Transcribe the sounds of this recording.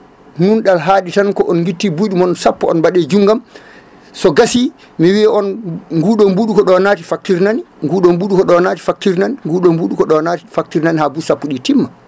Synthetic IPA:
nunɗalɦaːɗitankɔʔɔnɡitːibuɗumɔnsapːɔɔ̰nbaɗɛd͡ʒuŋɡam | sɔɡasi | miwiɛɔnŋɡuɗɔmbuːɗukɔɗɔnatifak̚tiɾnaniŋɡuːɗɔmbuːɗukɔɗɔnaːti̥fak̚tiɾnaniŋɡuːɗɔmbuːɗukɔɗɔnaːti̥fak̚tiɾnanihabusapːuɗitimːa

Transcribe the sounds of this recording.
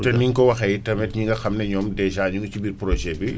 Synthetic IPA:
tɐniŋkɔwɐxɐjtɐmɛtɲiŋɡɐxɐmnɛɲɔːmdɛʒaːɲuŋucibirpɾɔʒɛbi

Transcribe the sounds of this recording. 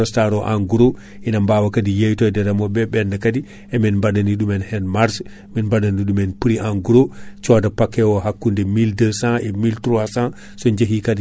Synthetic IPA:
ɔstaɾɔʔaŋɡuɾo | ʔinambaːwakadijejtɔdɛɾamɔbɛbɛndɛkadi | ɛminmbadaniɗumɛnhɛnmaɾs | minbadaniɗumɛnpiɾiʔaŋɡuɾot͡ʃɔdapakːɛwɔɦakːundɛmildəsãɛmiltɾuasã | sɔɲd͡ʒeɦikadi

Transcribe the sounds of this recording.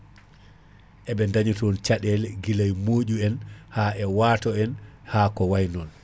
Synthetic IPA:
ʔɛɓɛndaɲitɔnt͡ʃaɗɛlɡilajmoːʄuɛnhaʔɛwaːtɔɛnhaːkɔwajnɔn

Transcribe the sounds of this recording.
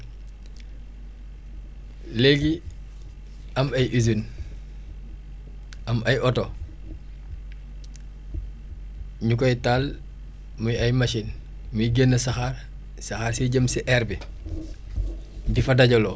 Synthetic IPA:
leɡi | ɐmɐjʔizun | ɐmɐjɔto | ɲukojtaːl | mujɐjmɐʃin | mujɡenːɐsɐxar | sɐxaːɾsiɟəmsiʔɛɾbi | difɐdɐɟolo

